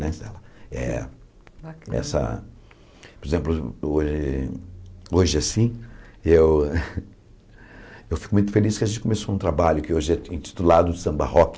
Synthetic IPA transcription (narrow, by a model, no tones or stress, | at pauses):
nẽsɛlɐɛ̰ | ɛ̰sɐ̰ | poɾezẽplʊoʒɪ | oʒɪasĩew | ewfi̥kʊmũj̃t̪ʊfeliskɪɐʒẽt͡ʃɪ̥kõmesoũt̪ɾabaʎʊkɪoʒɪɛẽt͡ʃi̥t̪ulad̪ʊd͡ʒɪsɐ̃ba̰hɔk